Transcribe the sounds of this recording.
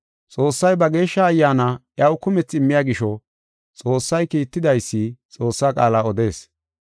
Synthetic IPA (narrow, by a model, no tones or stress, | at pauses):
t͡sʼo̞ːsːɐjbɐɡe̞ːʃːɐːjːaːnɐʔjɐwkʊmɛt͡sːɪmːɪjaːɡɪʃɔ | t͡sʼo̞ːsːɐjkiːt̪ːɪd̪ɐjsːɪt͡sʼo̞ːsːaːkʼaːlaːɔd̪e̞ːs